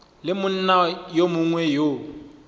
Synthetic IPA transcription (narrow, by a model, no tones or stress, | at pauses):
lɪmʊn̩najomʊŋwɛjo